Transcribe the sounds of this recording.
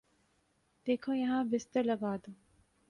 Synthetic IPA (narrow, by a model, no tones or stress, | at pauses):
d̪̥eːkʰojɐɦãːʋist̪əɾlɐɡaːd̪u